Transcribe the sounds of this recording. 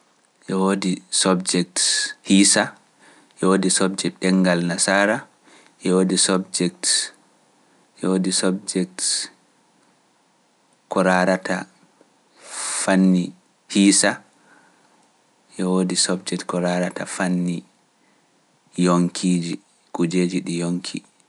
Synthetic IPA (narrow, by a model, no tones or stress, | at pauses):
ʔɛwodisɔbd͡ʒɛk̚thisa | ʔɛwodisɔbd͡ʒɛɗɛŋɡalnasaːɾa | ʔɛwoːdisɔbd͡ʒɛk̚t | ʔɛwodisɔbd͡ʒɛk̚t | kɔɾaɾatʰa̰ | fanːi | hisa | ʔɛwodisɔbd͡ʒɛtkɔɾaɾatafanːi | joŋkʰiːd͡ʒi | kud͡ʒeːd͡ʒiɗijoŋkʰḭ